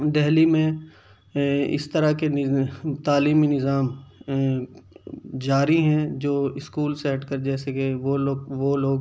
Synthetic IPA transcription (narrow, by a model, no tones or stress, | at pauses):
d̪ɛɦlimẽ | ɪ̰st̪əɾakeɪt̪aːliːminɪzaːm | d͡ʒaːɾiɦɛ̃d͡ʒoːɪskuːlseɦɐʈʰkəɾd͡ʒɛːsekeʋooːɡʋoːloːɡ